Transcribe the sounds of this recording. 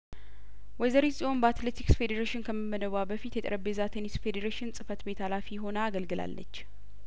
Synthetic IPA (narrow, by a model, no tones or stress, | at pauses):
wɔzəɾisonbat̪let̪ʰiksfe̞d̪eɾeʃɪnkʰəmːəmːəd̪əβabəfit̪jɛt̪ʼəɾʔəbezat̪ʰenisfe̞d̪eɾeʃɪnsʼɨfət̪be̞t̪ʰalafijɦo̞nəaɡəlɡɨla̰lːə̰t͡ʃː